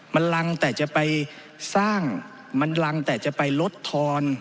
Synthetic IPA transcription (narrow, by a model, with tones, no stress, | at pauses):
ma˧nla˧ŋt̪ɛː˨˩t͡ɕa˧˩pa˧j | saː˥˩ŋ | ma˧nla˧ŋt̪ɛː˨˩t͡ɕa˨˩pa˧jlo˦˥t̪ʰːɔː˧n